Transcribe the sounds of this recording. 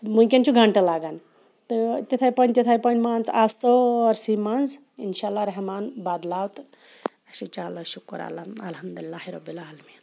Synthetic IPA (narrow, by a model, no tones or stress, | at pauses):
mukʲent͡ʃʰuɡʱaɳʈalaːɡan | t̪ɨt̪et̪ʰajpɐnʲt̪et̪ʰajpənmant͡sasəɾsimanz | ḭnʃalːaɾɐɦmaːnbad̪lawt̪ | ɐsit͡ʃalaʃukːɐɾa̰ːlaɐlɦɐmdd̪ulilːaɦiɾɐbilaːlmi